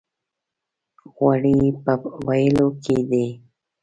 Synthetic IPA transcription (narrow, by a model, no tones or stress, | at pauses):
ɣwaɽipəwajəlokʰed̪e